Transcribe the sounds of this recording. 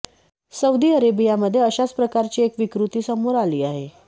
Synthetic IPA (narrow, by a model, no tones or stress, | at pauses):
səud̪iːəɾebijaməd̪ʱːjeəɕat͡spɾəkaɾt͡ɕiːekʋikɾut̪iːsəmoɾaliːaɦe